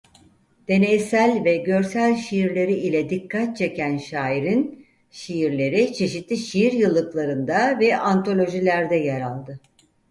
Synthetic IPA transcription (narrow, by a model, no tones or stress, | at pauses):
d̪̥e̞nejsælʲvɛɟø̞ɾsælʲʃijiɾlʲe̞ɾiilʲɛd̪ikʰːat̪̚t͡ʃʰe̞cʰænʃaːiɾin | ʃijiɾlʲe̞ɾit͡ʃʰe̞ʃit̪lʲiʃijiɾjɯlˠːɯklˠaɾɯnd̪avɛʔant̪ʰo̞lʲo̞ʒilʲæɾd̪ɛjɛɾalˠd̪ɯ